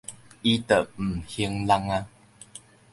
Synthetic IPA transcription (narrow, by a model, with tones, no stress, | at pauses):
i˦t̪ə˨ʔm̩˨˩hi˧əŋla˧ŋa˦˧